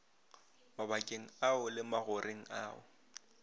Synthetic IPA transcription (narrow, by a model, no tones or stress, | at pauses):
mabakʼeŋ̩aʊlɪmaɣʊrʔeŋ̩a̰ːʊ̰